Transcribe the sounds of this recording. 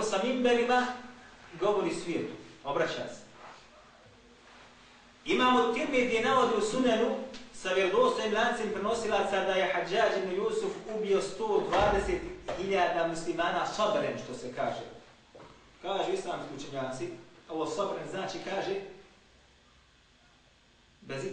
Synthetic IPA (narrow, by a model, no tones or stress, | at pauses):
samimbelima | ɡo̞ʋo̞ɾiːsʋiet̪u̥o̞bɾat͡ɕa̰ːse̥ | imaːmot̪ːiɾmid̪ijenaod̪iusunanusaʋjeld̪oːst̪oimlʲaːnt̪simpɾeno̞silˠat̪sad̪aje̞had͡ʒːaːd͡ʒibnujuːsufubijo̞st̪oːd̪ʋaːd̪eset̪hiʎaːd̪aːmuslimaːnaːsobɾenʃt̪o̞sekaːʒḛː | kaːʒuːislˠaːmskʲiut͡ʃeɲaːt̪sio̞ʋoːsobɾenznaːt͡ʃiːkaːʒeː | bez